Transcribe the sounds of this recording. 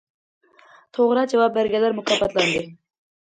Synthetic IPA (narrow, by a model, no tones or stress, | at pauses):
t̪ʰoʁɾɑd͡ʒɑvɑp̚bæɾɡʲɛlæɾmʊkʰɑfɑt̪lˠɑnd̪ɨ